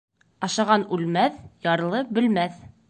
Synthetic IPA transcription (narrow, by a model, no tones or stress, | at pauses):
ɑʃɑʁɑnʉlmæθjɑɾlˠɤbɘ̆lmæθ